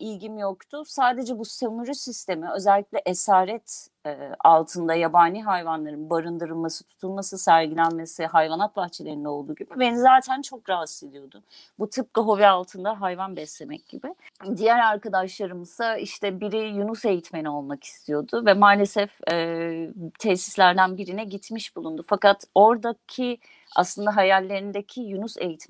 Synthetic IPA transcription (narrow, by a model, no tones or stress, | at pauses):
ilɟimjokt̪ʰʊsaːd̪e̞d͡ʒɛbusenuɾysist̪e̞miø̞zɛlʲːiclʲɛʔesaːɾɛt̪ | ɛːalˠt̪ʰɯnd̪ajabaːnʲiːɦajvanlˠaɾɯnbaɾɯnd̪ɯɾɯlˠmasɯ̥t̪ʰu̥t̪ʰulˠmasɯsæɾɟilʲænme̞siɦajvanat̪̚baxt͡ʃʰelʲe̞ɾind̪ɛo̞lˠd̪uːɟibibe̞nizaːt̪ʰænt͡ʃʰo̞kɾaɦased̪ijo̞d̪ʊ | but̪ʰɯp̚kaɦo̞vialˠt̪ʰɯnd̪aɦajvanbɛslʲe̞mɛc̚ɟ̥ḭbɪd̪ijæɾaɾkad̪aʃlˠaɾɯmɯz̥aiʃt̪ʰɛbiɾijunuse̞jit̪ʰme̞nio̞lˠmaki̥st̪ʰijo̞d̪ʊvɛmaːlʲesɛfɛ | t̪ʰɛsi̥slʲæɾd̪ænbiɾinɛɟit̪miʃbulˠund̪ufakat̪o̞ɾd̪acʰi | a̰slˠɯnd̪aɦajalʲːe̞ɾind̪ecʰijunusḛjit̪ʰ